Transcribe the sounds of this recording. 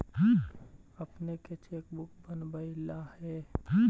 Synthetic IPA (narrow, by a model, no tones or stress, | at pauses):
ɦ | əpneket͡ʃeːk̚bʊk̚bənbəilahɛ̃